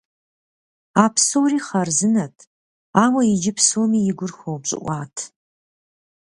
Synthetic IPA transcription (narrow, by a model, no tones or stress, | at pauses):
aːpʰsowriːχɐrzɨnɐtʰ | aːwɐjɪd͡ʒɪpʰsoːmiːjɪɡʷʊrxʷowbɕʼɪ̰ʔʷɑːtʰ